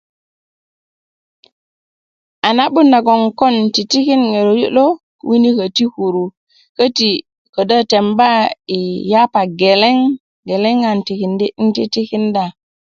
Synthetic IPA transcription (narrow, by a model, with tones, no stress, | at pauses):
ʔa˨na˦ɓu˦nːa˨ɡo˨ŋko˦nti˨ti˦ki˦nŋe˨ɾo˨jṵ˦ɗo˦ | wi˦ni˦kə˨ti˦ku˨ɾu˨ | kə˦ti˨ | ko˨də˦te˨mba˦i˨ja˦pa˨ɡe˨le˦ŋ | ɡe˨le˦ŋa˨nti˨ki˨ndi˦i˦nti˦ti˦ki˦nda˨